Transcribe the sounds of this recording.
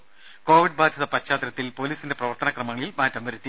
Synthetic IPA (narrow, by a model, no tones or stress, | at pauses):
ko̞ːʋiɖbaːd̪ʱjɐðɐpɐt͡ɕaːt̪ɾɐt̪ːilpo̞ːliːsinde̞prɐʋɐrt̪ɐnɐkrɐmɐŋɐɭilmaːtːɐmʋɐɾut̪ːi